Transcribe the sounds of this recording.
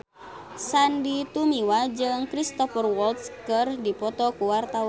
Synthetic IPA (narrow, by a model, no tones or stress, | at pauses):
sandit̪umiwad͡ʒɨŋkɾist̪ɔfərwɔlt̪skɨrdipɔt̪ɔkuwart̪a